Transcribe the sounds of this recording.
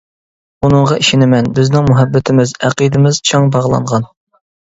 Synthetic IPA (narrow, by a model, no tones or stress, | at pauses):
unɨɴʁɑʔiʃɪnɪmɛnbɪznɪŋmuɦɛbːɪt̪ʰɪmɪzæqid̪ɪmɪz̥t͡ʃʰɑŋbɑʁlˠɑ̰ɴʁɑn